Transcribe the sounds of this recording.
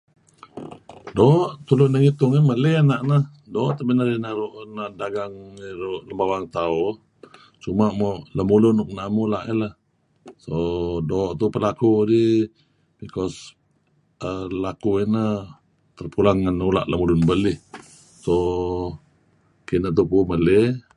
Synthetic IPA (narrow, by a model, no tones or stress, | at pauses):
dɔːʔt̪ulʊnəŋit̪ʊŋiməlɛanaʔnəh | dɔːʔt̪abinaɾinəɾuʔnaʔdaɡaŋiɾuʔləmbawaŋt̪au | t͡ʃumaʔmɔʔləmulʊnuk̚naʔmulaʔilah | sodɔːʔt̪upəlakudi | bikɔs | əlakuinə | t̪ərpulaŋːanula̰ʔləmulʊnbəlɪh | so | kinət̪̬upuməle